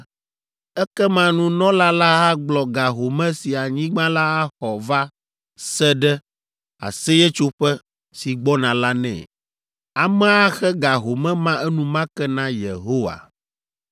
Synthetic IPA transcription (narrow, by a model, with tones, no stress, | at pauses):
ɛ˦kɛ˦mã˦nũ˦nɔ̃˦la˦la˦ɦa˦ɡ͡blɔ˨ɡa˨ɦo˨mɛ̃˦si˨a˨ɲĩ˦ɡ͡bã˦la˦a˦xɔ˨va˦ | sɛ˦ɖɛ˦ | a̰˨sɛ˦jɛ˦t͡ʃo˦ɸɛ˦ | si˨ɡ͡bɔ˦nã˨la˦nɛ̰̃˨ | a˨mɛ̃˦a˦xɛ˦ɡa˨ɦo˨mɛ̃˦mã˦ʔɛ˦nũ˨mã˦kɛ˦nã˦je˨ɦo˦wa̰˨